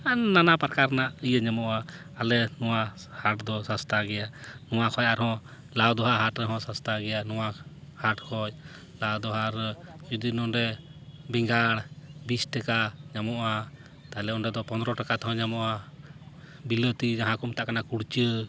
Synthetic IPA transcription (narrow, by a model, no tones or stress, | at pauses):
anːanapaɾkaɾnaʔijəɲamɔʔaː | lɛnɔwa | haʈd̪ɔsast̪ʰaɡɛjanɔwakʰɔjʔaɾhɔ̃ | lawd̪ɔɦaɦaʈɾɛɦɔ̃sast̪ʰaɡɛjanɔwahaʈkʰɔj | lad̪ɔɦaɾd͡ʒud̪inɔɖɛbɛŋɡaɽbisʈɛkaɲamɔʔa | t̪aɦɛlɛɔɳɾɛd̪ɔpɔnd̪ɾɔʈakat̪ɦɔ̃ɲamɔʔa | bilət̪id͡ʒaɦãkumt̪aʔkanakuɽt͡ʃə